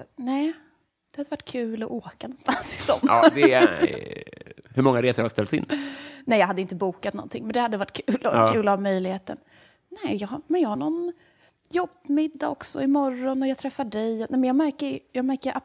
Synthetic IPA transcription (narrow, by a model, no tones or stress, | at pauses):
nɛː | d̪̥ɛhad̪əvaʈːkʰʉ̟ːlɔʔoːkanɔnst̪ansɪ̥sɔnːd̪ɛ | hɵɾmɔŋːaɾeːsəɾjhast̪ɛlt̪sɪ̰nnɛjɑːɦad̪ːɪnt̪əbuːkat̪nɔ̰nt̪ʰɪ̰ŋmɛnd̪ɛhad̪ːəvaʈːkʰʉːlɔkʰʉ̟ːlavmœjlɪɡheːt̪ə̰n | nɛːjɑɡɦamɛnjɑːhaɳɔn | jɔbmɪd̪ːaɔksɔ̰ɪmɔɾːɔnɔjɑt̪ʰɾɛfːaɖɛjɔnɛmɛnjɑːɡmæɾkəɾjɑːɡmæɾkəɾʔa